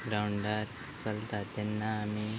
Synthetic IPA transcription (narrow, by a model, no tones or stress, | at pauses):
ɡɾawɳɖəɾ | t͡səlt̪at̪enːaːmi